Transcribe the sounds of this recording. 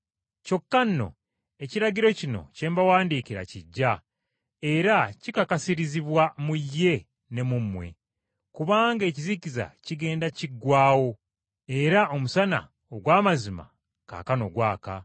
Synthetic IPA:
co̞kːanːo̞̰ | e̞ciɾaɟiɾo̞cino̞̰ce̞ːmbawaːndiːkiɾa̰ciɟːa | e̞ɾacikakasiɾiziβwamujːe̞ | nemumwe̞̰ | kuβaːŋɡe̞cizikiza̰ciɡe̞ːndaciɡwaːwo̞ | e̞ɾao̞musana̰ | oɡwaːmazima̰ | ka̰ːkano̞ɡwaːka̰

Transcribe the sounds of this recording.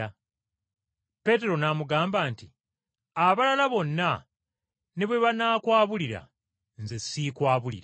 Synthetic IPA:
a | pe̞te̞ɾo̞namuɡaːmbaːnti | aβalalaβo̞nːa | ne̞βwe̞βanaːkwaːβuliɾa̰ | nzesikwaːβulḭɾa

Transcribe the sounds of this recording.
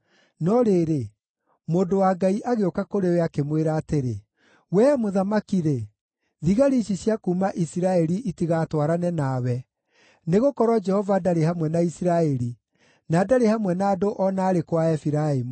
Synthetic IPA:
nɔɾeɾe | moːndowaɡaiʔaɣeokakoɾeoeakemweɾaːteɾḛ | wɛmoðamakiɾe | ðiɣaɾiʃisjakuːmaʔisiɾaɛɾiʔitiɣatwaɾanɛnawɛ | neɣokɔɾwɔd͡ʒɛhɔvadaɾehamwɛnaisiɾaɛɾi | naːdaɾehamwɛnaːdoʔɔnaːɾekwaɛfiɾaemu

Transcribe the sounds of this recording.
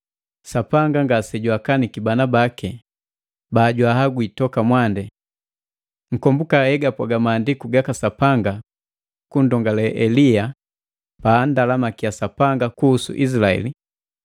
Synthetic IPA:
sapaŋɡaŋɡasɛɟwakanikibanabakɛ | baːɟwahaɡuitɔkamwandɛ | ŋ̩kɔmbukahɛɡapwaɡamaːndikuɡakasapaŋɡa | kun̩dɔŋɡalɛʔɛlia | baːndalamakijasapaŋɡakuːsṵʔis̬ilaɛ̰li

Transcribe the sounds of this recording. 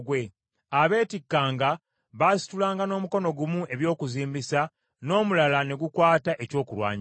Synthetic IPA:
ɡwe̞ | aβe̞ːtikːaːŋɡa | βasi̥tulaːŋɡano̞ːmuko̞no̞ɡumuʔe̞βjo̞ːkuziːmbisa | no̞ːmulalane̞ɡukwaːtaʔe̞co̞ːkuɾwa̰ːɲ

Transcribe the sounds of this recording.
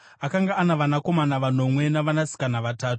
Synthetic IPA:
akaŋɡaːnaʋanako̞manaʋan̤o̞mwe̞naʋanasi̥kanaʋataːtu̥

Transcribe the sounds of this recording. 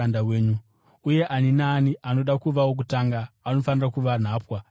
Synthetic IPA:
andawe̞ːɲu | uje̞ʔaninaːniano̞ɗakuʋawok̬utaŋɡaːno̞fanirakuʋan̤aːpwa

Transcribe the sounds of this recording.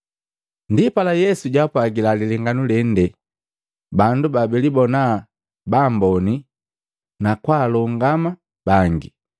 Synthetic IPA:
ndipalajɛsuɟapwaɡilaliliŋɡanulɛn̩dɛ | bandubabɛlibɔna | bambɔni | nakwaːlɔŋɡama | b̥aŋɡi

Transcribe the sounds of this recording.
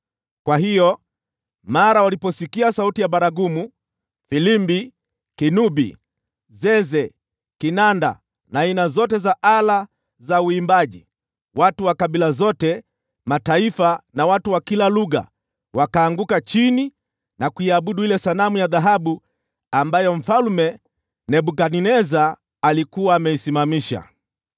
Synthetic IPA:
kwaɦijɔ | maɾawalipɔsikiasautijaɓaɾaɡumu | filimbi | kinubḭ | zɛzɛ | kinanda̰ | nainazɔt̬ɛzaʔala | zauimbaʄḭ | watuwakaɓilazɔtɛ | mataifanawatuwakilaluɣa̰ | wakaːŋɡukat͡ʃini | nakuiaɓuɗuilɛsanamujaðaɦaɓu | ambajɔm̩falmɛ | nɛɓukaninɛzaː | likuwaːmɛisimamiʃa̰

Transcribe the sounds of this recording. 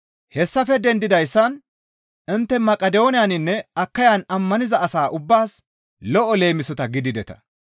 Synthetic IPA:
hɛsːɐfɛd̪ɛnd̪ɪd̪ɐjsːɐn | ɪnt̪ːɛmɐkʼːɐd̪ɛonɪjaɐnɪnːɛɐkːɐjanɐmːɐnɪzɐɐsaːʔʊbːaːs | lɔʔɔle̞ːmɪsɔt̪ɐɡɪd̪ɪd̪ɛt̪ɐ̥̰

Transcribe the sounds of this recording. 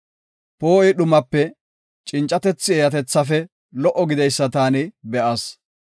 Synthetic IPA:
po̞ːɪɗʊmɐpːɛ | t͡ʃʼɪnt͡ʃʼːɐt̪ɛt͡sːɪeːjɐt̪ɛt͡sːɐfɛ | lɔʔɔɡɪd̪ɛjsːɐt̪aːnɪbɛʔɐs

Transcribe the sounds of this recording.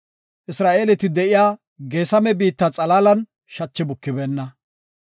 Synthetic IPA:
ʔɪsɾaːʔeːlɛt̪ɪd̪ɛʔɪjaː | ɡe̞ːsɐmɛbiːt̪ːɐt͡sʼɐlaːlɐn | ʃɐt͡ʃːɪbʊkːɪbɛnːɐ

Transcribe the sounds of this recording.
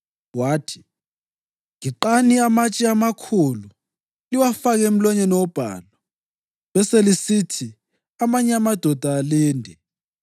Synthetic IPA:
waːtʰi̥ | ŋiǃaniamat͡ʃʼiamakʰulu | liwafaɣem̩lɔɲɛnɔwɔb̥ʱa̰ːla | βɛselisitʰi | amaɲɛamad̥ʱɔd̥ʱaːliːndʱɛ

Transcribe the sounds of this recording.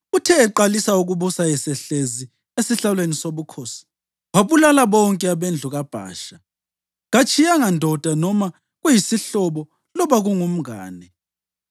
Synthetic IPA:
utʰɛːǃalisauɣuβusajɛsɛɬezi | esiɬalwenisoβukʰosi̥ | waβulalaβɔŋkʼɛaβend͡ɮʱuɣab̥ʱa̰ːʃa | ɣat͡ʃʰijaŋandʱɔd̥ʱanɔma | ɣujisiɬɔβɔ | lɔβaɣuŋum̩a̰ːnɛ

